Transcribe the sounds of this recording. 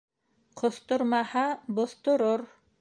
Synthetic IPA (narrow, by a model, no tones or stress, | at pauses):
qʰŏθt̪ŏɾmɑhɑbŏθt̪ŏɾoɾ